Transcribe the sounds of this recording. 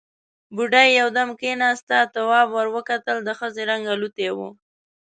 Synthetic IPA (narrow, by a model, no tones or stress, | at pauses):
buɖajːawd̪amkenɑst̪at̪awɑbwaɾwəkat̪əld̪əxəzeɾaŋɡalut̪ewṵ